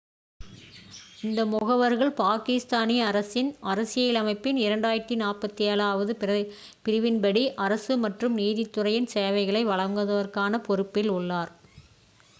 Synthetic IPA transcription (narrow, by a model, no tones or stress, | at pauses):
ɪnd̪ɐmʊɣɐʋɐɾɣɐɭpaːkɪst̪aːniɐɾɐsɪnɐɾɐsɪjɐjɪlɐmɐɪpːɪnɪɾɐɳɖaːjɪɾt̪ːinaːrpɐt̪ːielaːʋɐðɯ | pɪɾɪʋɪnbɐɽiʔɐɾɐsɯmɐʈrɯmniːðɪt̪ːɯrɐjɪnsɛːʋɐɪɣɐɭɐɪʋɐɭɐŋɡɐðɐʋɐɾkaːnɐpɔɾɯpːɪlʊɭːaːɾ